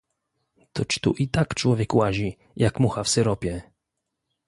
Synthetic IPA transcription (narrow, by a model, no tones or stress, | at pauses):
t̪ɔt͡ɕt̪ṵʔit̪akt͡ʂwɔvʲjɛkwaʑi | jakmuxafsɛɾɔpʲjɛ